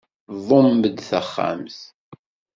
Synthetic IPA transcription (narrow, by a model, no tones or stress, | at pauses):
vˤomːəd̪θəχːa̰mθ